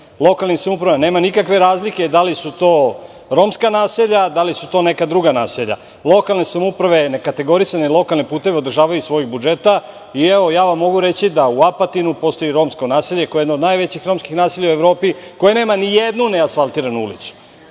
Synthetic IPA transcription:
lˠo̞kalnisamupɾaamneːmanikakʋe̞ɾaːzliked̪alisut̪o̞ː | ɾo̞mskanaːseʎad̪alisut̪o̞ːne̞kad̪ɾuɡanaːseʎa̰ | lˠo̞kalˠnesamupɾaʋe̞nekat̪e̞ɡo̞ɾisanelˠo̞kalˠnipuːt̪e̞ʋeo̞d̪r̩ʒaːʋajusʋo̞jiɣbud͡ʒe̞t̪a | ieʋo̞jaːʋamːo̞ɡuɾe̞t͡ɕid̪auapat̪inupo̞st̪o̞jiɾo̞ːmsko̞naːseʎekojed̪nod̪najʋe̞t͡ɕixɾo̞mskixnaːsiʎaue̞ʋvɾo̞ːpiko̞jene̞ːmanijed̪nuneasfalˠt̪iːɾanuṵlḭsu̥

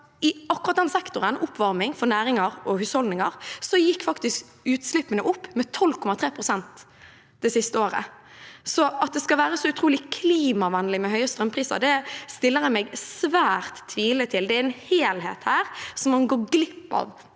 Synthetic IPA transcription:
ɪɑkːʊɾʁɑt̪̚d̪ɛnsɛkt̪ʊɾənʊpʰːʋɑɾmɪŋfɔnæːɾɪŋɑɾɔhʉːshɔld̪nɪŋɑɾsɔjɪkːfɑkt̪ɪsk | ʉːt̪slɪpːənəʔʊpːmɛt̪ʰɔlkʰɔmɑt̪ʰʁɾeːpʰɾʁʊsɛnt̪ | d̪̥ɛsɪst̪əoːɾə̰ | sɔɑt̪̚d̪ɛskɑʋæːɾəsɔʉt̪ʰɾuːlɪkʰliːmɑʋɑnːlɪmɛhœʏəst̪ɾʁœmpʰɾiːsɑ̰d̪ɛst̪ɪlːəɾmɛɡsʋæːɾt̪ʰːʋiːlət̪ʰɪld̪ɛæɾɛnheːlhḛːt̪hæːɾsɔmːɑnɡoːɡlɪpːɑ̰ʋ

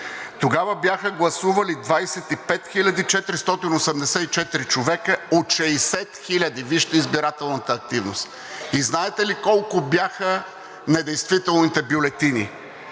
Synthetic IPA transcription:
t̪oɡavəbjaxəɡlˠɐsuvɐlid̪vajsɛt̪ipɛt̪xilʲɐd̪it͡ʃɛt̪ɾist̪ɔt̪inosɛmd̪ɛsɛit͡ʃɛt̪iɾit͡ʃovɛkəot̪ʃɛisɛt̪xilʲɐd̪iviʃt̪ɐizbiɾat̪ɛlˠnət̪əːk̚t̪ivnost̪ | iznaɛt̪ɛlikɔlˠkʊbjaxə | nɛd̪ɛjst̪vit̪ɛlˠnit̪ɛbjolɛt̪ini

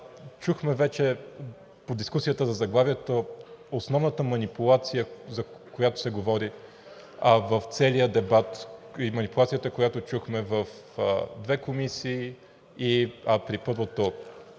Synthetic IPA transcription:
t͡ʃuxmɛvɛt͡ʃɛ | pod̪iskusijət̪əzɐzɐɡlˠaviɛt̪oosnɔvnət̪əmɐnipʊlˠat̪sijəzɐkojat̪o̥sɛɡovɔɾi | vəft̪sɛlijəd̪ɛbat̪imɐnipʊlˠat̪sijət̪əkojat̪ot͡ʃuxmɛvəf | d̪vɛkomisiː | ipɾipɤɾvot̪o

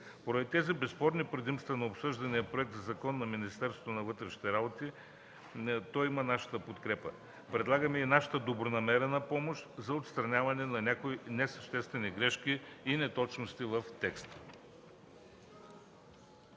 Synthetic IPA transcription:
poɾɐd̪it̪ɛzibɛspɔɾnipɾɐd̪imst̪vɐnɐopsɤʒd̪ɐnijəpɾoɛk̚t̪zɐzɐkɔnːɐminist̪ɛɾst̪vot̪onɐvɤt̪ɾɛʃni̥t̪ɛɾabot̪i | t̪ɔimɐnaʃə̥t̪əpot̪kɾɛpə | pɾɛd̪lˠaɡəmɛinaʃɐ̥t̪əd̪obɾonɐmɛɾɛnɐpɔmoʃt̪zɐot̪st̪ɾɐnʲavɐnɛnɐnʲakoinɛsɐʃt̪ɛst̪vɛniɡɾɛʃkʲiːnɛt̪ɔt͡ʃnost̪ivɐft̪ɛkst̪

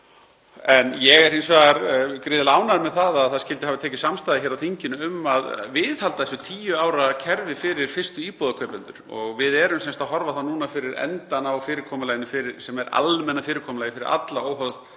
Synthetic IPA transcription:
ɛnjɛɣɛɾejnsvaːɣaɾkɾɪːðɪlaːwnamɛðθaðaðθaðscɪlt̪ɪhavɪt̪ʰɛːcɪsamst̪aːjðɪçɛːɾawθiɲcɪnʏʏmːaðvɪðhalt̪aðɛsʏt̪ʰiːjʏaːwɾacʰɛɾvɪfɪɾɪɾ̥fɪr̥st̪ʏiːpɔðakʰœːpʏnt̪ʏ̰ɾ̥ɔ̰ɣvɪðɛɾʏmsɛnst̪aðhɔɾvaðθawnuːnafɪɾɪɾɛ̰nt̪anawfɪːɾɪkʰɔːmʏlaːjɪnɪfɪɾɪɾsɛmɛɾa̰lmɛnːafɪːɾɪɾkʰɔːmlajɪfɪɾɪ̰ɾa̰t̪laoːwɦœðð

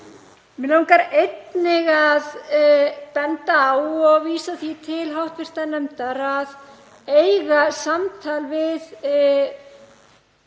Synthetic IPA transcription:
mɪlawŋkaɾejt̪nɪɣað | pɛnt̪aawɔɣviːsaθit̪ʰɪlɦawht̪vɪr̥t̪anɛmt̪aɾað | ejɣasamt̪ʰalvɪð

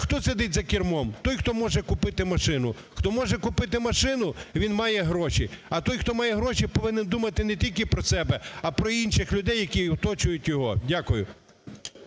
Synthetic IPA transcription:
xt̪ɔsed̪ɪtʲzɐkʲirmɔmt̪ɔjxt̪ɔmɔʒɛkʊpɪt̪ɪmɐʃɪn̪ʊ | xt̪ɔmɔʒɛkʊpɪt̪ɪmɐʃɪnʊʋʲinmɑjɛɦɾɔʃʲiɐt̪ɔjxt̪ɔmɑjɛɦɾɔʃipɔʋɪnɪnd̪umɐt̪ɪnɛtʲilʲkɪpɾɔsɛbɛɐpɾɔinʃɪxlʲʊd̪ɛjːɐkʲiwt̪ɔt͡ʃʊjʊtʲjɔɦɔ̰dʲakʊjʊ

